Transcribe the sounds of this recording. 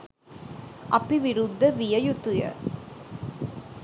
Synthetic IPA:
ʔɐpːiʋiɾud̪ːɐʋijɐjut̪ːʊjɐ̰

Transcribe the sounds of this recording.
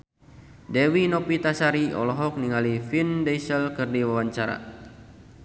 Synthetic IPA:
dɛwinɔpit̪asaɾiɔ̰lɔɦɔk̚niŋalifindɛjsəlkɨrdiwawaɲt͡ʃaɾa̰

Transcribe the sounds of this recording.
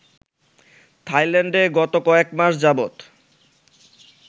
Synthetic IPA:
t̪ʰajleɳɖeɡɔt̪okɔekmaʃd͡ʑabot̪

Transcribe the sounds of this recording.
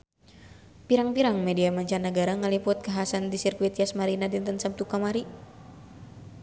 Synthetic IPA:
piɾaŋpiɾaŋmɛdiamaɲt͡ʃanːəɡaɾaŋalipʊt̪̚kaɦaasandisirkuit̪iasmaɾinadint̪ənsam̚t̪ukamaɾi

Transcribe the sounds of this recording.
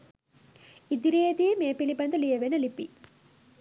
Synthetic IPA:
id̪iɾeːd̪imeːpilibɐnd̪ɐlijɐʋenɐlipːi

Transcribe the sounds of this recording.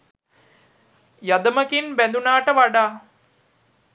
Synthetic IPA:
jad̪əməkinbænd̪unaːʈəʋaɖaː

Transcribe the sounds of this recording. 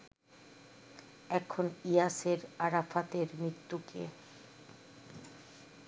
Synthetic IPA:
ɛkʰonijaseɾaɾafat̪eɾmɾit̪ːukḛ

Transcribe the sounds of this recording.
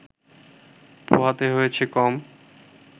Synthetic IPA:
po̰ɦat̪eɦojet͡ɕʰekɔm

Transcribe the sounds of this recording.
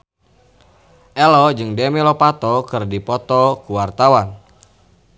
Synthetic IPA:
ʔɛlɔd͡ʒɨŋdemɛlɔpat̪ɔkɨrdipɔt̪ɔkuwart̪awan

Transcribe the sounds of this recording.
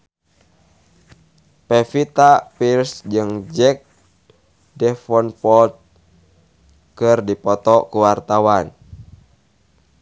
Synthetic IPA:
pɛfit̪apirsd͡ʒɨŋd͡ʒɛk̚ | dɛfɔnpɔlt̪̚ | kɨrdipɔt̪ɔkuwart̪awan

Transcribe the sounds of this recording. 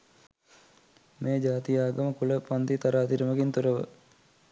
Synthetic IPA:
meːd͡ʒaːt̪ijaːɡəməkuləpand̪it̪aɾaːt̪iɾəməɡint̪uɾəʋə̰

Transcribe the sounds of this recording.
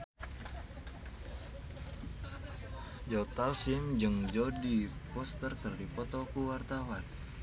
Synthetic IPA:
d͡ʒɔt̪alsimd͡ʒɨŋd͡ʒɔdipɔst̪ərkɨrdipɔt̪ɔkuwart̪awan

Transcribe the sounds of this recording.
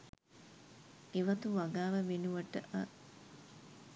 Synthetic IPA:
eʋɐt̪uʋɐɡaːʋəʋenuʋɐʈəʔɐ

